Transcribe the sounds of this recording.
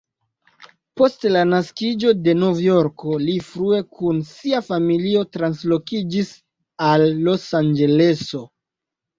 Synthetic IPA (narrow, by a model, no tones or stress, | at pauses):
po̞stlanaskid͡ʒo̞de̞novjo̞ɾko̞lifɾue̞kunsiafamilio̞tɾanslo̞kid͡ʒis | alːo̞sand͡ʒe̞le̞so̞